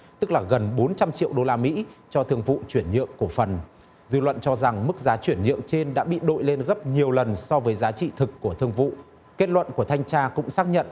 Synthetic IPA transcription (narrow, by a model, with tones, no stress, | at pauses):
t̪ɨ˦˥k̚laː˨˩ɣə˨˩nɓo˨˦nt͡ɕa˧mt͡ɕḭ˧˨əwɗo˧laː˧mḭ˧˥t͡ɕɔ˧t̪ʰɨ˧əŋvṵ˧˨t͡ɕwi˧˩ənɲɨ̰˧˨əŋku˧˩fə˨˩n | zɨ˧lwə̰˧˨nt͡ɕɔ˧za˨˩ŋmɨ˦˥k̚zaː˨˦t͡ɕwi˧˩ənɲɨ̰˧˨əŋt͡ɕe˧nɗa̰ː˧˥ɓḭ˧˨ɗo̰˧˨jle˧nɣə˦˥p̚ɲi˨˩əwlə˨˩nsɔ˧vəː˨˦jzaː˨˦t͡ɕḭ˧˨t̪ʰɨ˨˩kːu˧˩ət̪ʰɨ˧əŋvṵ˧˨ | ke˦˥t̚lwə̰˧˨nku˧˩ət̪ʰa˧jŋ̟t͡ɕaː˧kʊ̰˧˥ŋ͡msaː˦˥k̚ɲə̰˧˨nʔ